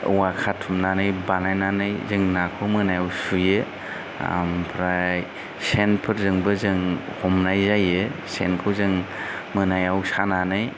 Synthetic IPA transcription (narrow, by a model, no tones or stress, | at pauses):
wakʰatʰumnanɯjbanajnanɯjzɯŋnakʰɯmɯnajawsujɯ | a̰mpʰɾaj | senpʰɯɾzɯŋbɯzɯŋhɔmnajzajɯsenkʰɯwzɯŋ | mɯnajawsananɯj